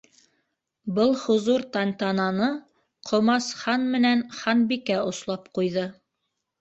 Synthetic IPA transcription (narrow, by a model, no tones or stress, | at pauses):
bɤlˠhŏzuɾt̪ɑnt̪ɑnɑnɤ | qʰŏmɑsχɑnmɘ̆nænχɑnbikæŏslˠɑpqujðɤ